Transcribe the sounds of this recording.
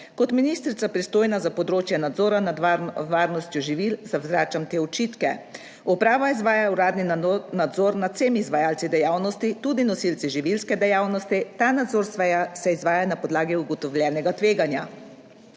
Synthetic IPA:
kɔt̪minist̪ɾit̪sapɾist̪oːjnazapɔd̪ɾoːt͡ʃjɛnad̪zɔːɾanad̪ʋaːɾnɔst̪jɔʒiʋilzawzɾaːt͡ʃamt̪eːɔt͡ʃit̪kɛ | upɾaːʋaizʋaːjauɾaːd̪ninad̪zɔːɾnat̪semizʋajaːlt̪sid̪ɛjaːwnɔst̪it̪ud̪inɔsilt̪siʒiʋilskɛd̪ɛjaːwnɔst̪it̪anad̪zoːɾsʋɛjasɛizʋaːjanapɔd̪laːɡiuɡɔt̪ɔwlʲjɛːnɛɡat̪ʋeːɡanja

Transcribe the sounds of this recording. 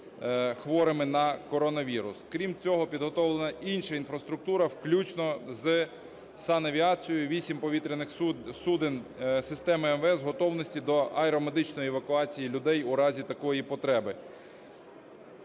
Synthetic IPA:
xʋɔɾɪmɪnɐkɔɾɔnɐʋʲiɾʊ̰skɾʲimt͡sʲɔɦɔpʲid̪ɦɔt̪ɔwlˠenɐʔinʃɐinfɾɐst̪ɾʊk̚t̪uɾɐwklʲut͡ʃnɔz | sɑnɐʋʲiɑt͡sʲijʊʋʲisʲimpɔʋʲit̪ɾenɪxsud̪ɪnsɪst̪ɛmɪɛmʋɛzɦɔt̪ɔwnɔsʲtʲid̪ɔʔɐɛɾɔmed̪ɪt͡ʃnɔjiɛʋɐkʊɑt͡sʲijilʲʊd̪ɛjuɾɑzʲit̪ɐkɔjipɔt̪ɾɛbɪ

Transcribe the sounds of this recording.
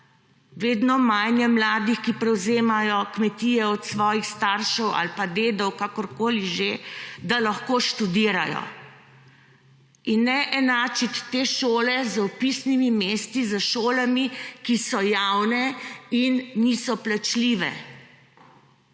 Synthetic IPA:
ʋeːd̪nɔmajnjɛmlaːd̪ixkipɾɛwzeːmajɔkmɛt̪iːjɛɔt̪sʋɔːjixst̪aɾʃɛwa̰lpad̪eːd̪ɔwkakɔɾkoːliʒed̪alaxkoːʃt̪ud̪iːɾajɔ̰ | inːɛʔɛnaːt͡ʃit̪ːeːʃoːlɛzɔpisnimimeːst̪izəʃoːlamikisɔjawnɛinːisɔplat͡ʃliːʋɛ̰

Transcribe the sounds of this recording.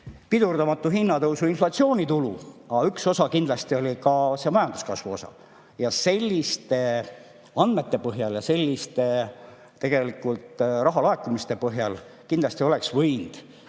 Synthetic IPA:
pid̪̥urd̪ɑmɑt̪ːˑuɦinːɑt̪ɤwsuinflɑt̪sio̞ːnit̪uluɑykso̞sɑkind̪lɑst̪io̞lʲikɑse̞mɑjɑnd̪u̥skɑsvuo̞sɑ̰ | jɑse̞lʲːist̪e̞ | ɑnd̪me̞t̪ˑːe̞pɤɦjɑljɑse̞lʲːist̪e̞ | t̪ːe̞ɡ̥e̞likult̪ˑrɑɦɑlɑe̞kːˑumist̪e̞pɤɦjɑl | kind̪lɑst̪io̞le̞ksvɤjnd̪̥

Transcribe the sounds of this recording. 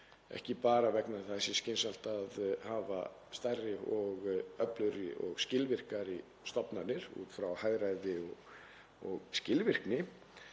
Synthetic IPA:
ɛ̰hcɪpaːɾavɛknaɾθasɪscɪnsal̥t̪aðhaːva̰ | st̪arːɪɔɣœplʏɾɪʔɔ̰ɣscɪlvɪr̥kaɾi | st̪ɔpnanɪɾṵːt̪fɾawhajðɾajðɪɔɣ | ɔɣscɪlvɪr̥knɪ

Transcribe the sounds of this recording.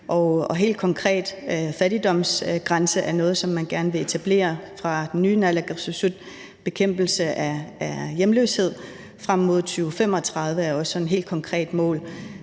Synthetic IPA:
ʔɒɒ̽ɦe̝̰ːld̥kʰɒ̽ŋkʰʁɛ̰ːd̥fæɾid̥ɒ̽m̰sɡ̥ʁɑ̈nsəʔæɐnɔ̽ːð̞̩ˠsɒ̽mːænɡ̥æɐnəʋe̝e̝t͡sʰæb̥le̝̰ːɐfʁɑ̈d̥enːyːnælæɡ̥susud̥̚ | b̥e̝kʰem̰b̥l̩səʔææjemlø̰ːshe̝ð̞̰ˠ | fʁam̰ːo̝ð̞̰ˠt͡sʰyːʊfem̰ɒ̽t͡sʰʁɑ̈ð̞ˠʋəæɐɒ̽sɒnene̝̰ːld̥̚kʰɒ̽ŋkʰʁɛ̰ːd̥mɔ̰̽ːl

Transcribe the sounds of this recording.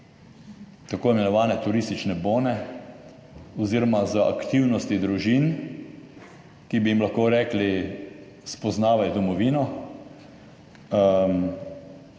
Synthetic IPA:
t̪akoːimɛnɔʋaːnɛt̪uɾiːst̪it͡ʃnɛboːnɛ | ɔziːɾɔmazəʔa̰kt̪iwnɔst̪id̪ɾuʒin | kibijimlaxkoːɾɛːkli | spɔznaːʋajd̪ɔmɔʋiːnɔ

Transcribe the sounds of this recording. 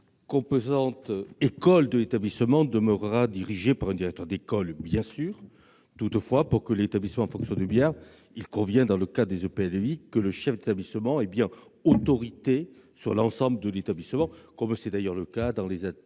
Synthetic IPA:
kɔ̃pozɑ̃t̪ekɔld̪əlet̪ablisəmɑ̃d̪əməʁʁad̪iʁiʒepaʁɛ̃nd̪iʁɛkt̪œʁd̪ekɔlbjɛ̃syːʁ | t̪ut̪əfwapuʁkəlet̪ablisəmɑ̃ɑ̃fɔ̃ksjɔ̃nd̪əbjɛʁ | ilkɔ̃vjɛ̃d̪ɑ̃ləkad̪əd̪ezopeɛlikələʃɛfd̪et̪ablisəmɑ̃ɛbjɛ̃ot̪ɔʁit̪e | syʁlɑ̃sɑ̃bləd̪əlet̪ablisəmɑ̃kɔmsɛd̪ajœʁləkad̪ɑ̃leza

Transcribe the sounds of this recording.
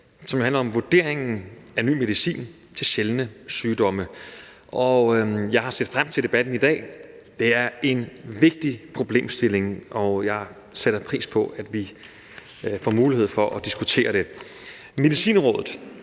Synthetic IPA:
sɒmjohænlɐɒ̽mʋoɐd̥e̝̰ɐ̰eŋn̩æny̰ːme̝ðˠisḭːn | t͡sʰe̝lɕelnəsyːd̥ɒ̽mə | ʔɒjɑ̈ɪhɑ̈sḛːd̥fʁam̰t͡sʰe̝d̥e̝b̥æd̥n̩id̥ɛ̰ː | d̥e̝æɐe̝nʋe̝ɡ̥̚d̥ipʰʁo̝b̥le̝̰ːmsd̥e̝le̝ŋɒjɑ̈ɪ | seɾ̥ɐpʰʁḭːspʰɒ̽æd̥ʋi | fɒ̰muːlihe̝ð̞̰ˠfɒ̽ʔɒd̥isɡ̥ut͡sʰe̝̰ːɐɾ̥e̝ | me̝ðˠisḭːnʁɔ̽ːðˠð̩ˠ

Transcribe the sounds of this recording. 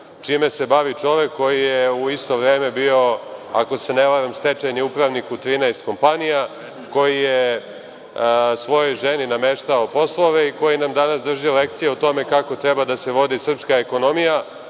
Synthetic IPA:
t͡ʃime̞se̞baʋit͡ʃo̞ʋekːo̞jijeuist̪o̞ʋɾe̞ːme̞bio̞ako̞se̞neʋaɾamst̪et͡ʃeɲeupɾaʋnikut̪ɾiːnajst̪̚ko̞mpanija | ko̞jije | sʋo̞jo̞jʒeninameʃt̪aopo̞slˠo̞ʋe̞iko̞jinamd̪anasd̪r̩ʒijolekt̪sijeot̪o̞me̞kako̞t̪ɾebad̪ase̞ʋo̞d̪isr̩pskaeko̞no̞mija

